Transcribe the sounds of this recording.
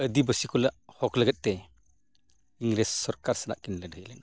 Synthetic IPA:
əd̪ibəsikulaʔhɔkləɡət̪̚t̪ɛ | iŋɡɾɛsːɔɾkaɾsəna̰ʔkinlədʱəjlɛna

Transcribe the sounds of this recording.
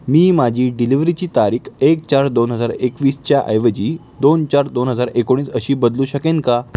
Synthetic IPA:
miːmad͡ʑʱiːɖiliʋɾit͡ɕiːt̪aɾiːkʰek̚t͡ɕaɾd̪onɦəd͡zaɾekʋiːst͡ɕjaʔə̰jʋəd͡ʑiː | d̪ont͡ɕaɾd̪onɦəd͡zaɾekoɽ̃iːsəɕiːbəd̪luːɕəkẽnka

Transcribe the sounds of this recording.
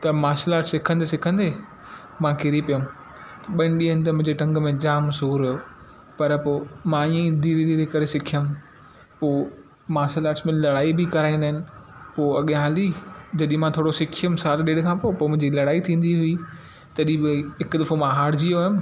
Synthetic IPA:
t̪ɐmaːʃəlaːɾʈsɪkʰə̃nd̪esɪkʰə̃nd̪eː | mãkɪɾipijəm | ɐɓɐ̃ɪ̃ɳɗiːənɪ̆t̪ɐmʊ̃ɦɪ̃ɲd͡ʑeʈɐ̃ŋɡmẽd͡ʑaːmsuːɾɐjo | pɐɾpoːmãiẽd̪iːɾid̪iːɾikɐɾesɪkʰijəm | poː | maːʃəlaːɾʈsmẽlɐɽaːibɪkɐɾaːĩnd̪aːɦɪnɪ̆poːɐɠjãɦaːlid͡ʑɐɗ̃mãt̪ʰoːɽosɪkʰijəmsaːlɗeːɽkʰãːpopoːmʊ̃ɦɪ̃ɲd͡ʑilɐɽaːit̪ʰĩːn̆d̪iɦʊi | t̪ɐɗĩbɪɦɪkd̪ɐfomãɦaːɽd͡ʑijojəm

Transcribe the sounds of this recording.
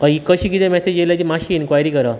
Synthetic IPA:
əikəɕiːkit̪ẽmɛsed͡ʑeljad͡ʑimaɕiːnkʋajɾiːkəɾa

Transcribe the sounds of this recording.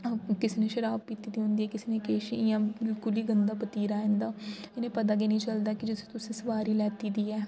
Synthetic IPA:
kɪsenẽːʃəɾaːb̚kiːt̪iːd̪iːɦõːnd̪iːɛːkɪseneːkeːʃiɪjãːɪlkʊliːɡənd̪aːpət̪iːɾaːẽːnd̪aːɪnẽːpət̪aːɡeːnĩːt͡ʃəld̪aːkɪd͡ʒɪst̪ʊsẽːsəʋaːɾiːlɛːt̪iːd̪iːɛː

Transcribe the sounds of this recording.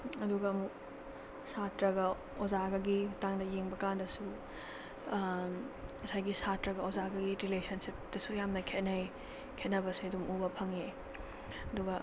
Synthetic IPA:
ɐduɡɐːmuk̚ | satɾɐɡɐ | ozaɡɐɡitaŋdɐjeŋbɐkandɐsu | mɐsajɡisatɾɐɡɐozaɡɐɡiɾilesɐnsipd̥ɐsujamnɐkʰet̚nɐj | kʰet̚nɐbɐsiɐdumubɐpʰɐŋe | ɐduɡɐ

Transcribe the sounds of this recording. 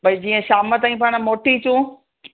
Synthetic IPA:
bɐid͡ʑiːə̃ʃaːmət̪ãːĩpaːɽ̃moːʈit͡ɕũː

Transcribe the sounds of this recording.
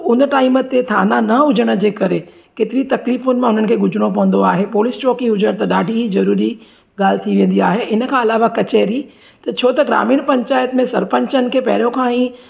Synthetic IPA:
ʊnəʈaːɪmət̪et̪ʰa̰ːnanɐʊd͡ʑəɽ̃əd͡ʑeːkɐɾe | ket̪ɪɾit̪ɐkliːfʊnɪ̆mãʊn̤ənɪ̆kʰeːɡʊd͡ʑʱɽ̃op̬ɐʋə̃nd̪oaːɦepoːlɪst͡ɕɔːkĩɦʊd͡ʑəɽ̃t̪ɐɗaːɖʱiɦizɐɾuːɾi | ɠaːlt̪ʰiʋẽːn̆d̪iaːɦeʔɪnəkʰãːɐlaːʋakɐt͡ɕeːɾi | t̪ɐt͡ɕʰoːt̪ɐɡɾa̰ːmiːɽ̃pɐ̃ɲt͡ɕaːjət̪mẽsɐɾpə̃ɲt͡ɕənɪ̆kʰeːpɐɦɽõkʰãːĩː

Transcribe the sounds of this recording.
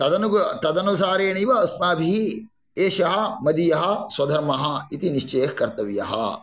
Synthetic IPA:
t̪ɐd̪ɐnut̪ɐd̪ɐnusaːɾeːɳiʋɐɐsmaːbʱii | eːʃɐɦɐ̆mɐd̪ijɐɦɐswɐd̪ʱɐɾmɐɦɐit̪iniʃt͡ʃejɦkɐɾt̪ɐʋijɐ̰ɦɐ̰

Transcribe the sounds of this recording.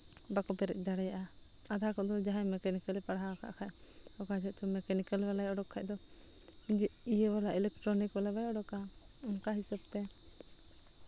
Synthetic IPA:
bakɔpɛɾɛ̰t̪̚ˀd̪aɽɛjaʔa | ad̪ʱakɔʔd̪ɔd͡ʒaɦɛmɛkanikəlɛpaɽaka̰ʔkʰaj | ɔkad͡ʒɛt̪ɔmɛkanikəlbɛlajɔɽɔkʰːaʔ̚d̪ɔ | d͡ʒ | ijɛwalaʔɛlɛk̚ʈɾɔnikbɛlabɛjɔɖɔka | ɔnkaɦisab̚t̪ɛ

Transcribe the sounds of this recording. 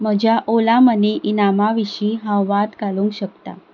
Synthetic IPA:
m̤əd͡ʑʱjaʔolaməneʔinamaʋiɕiːɦãwʋat̪kaluŋkɕəkt̪a̰

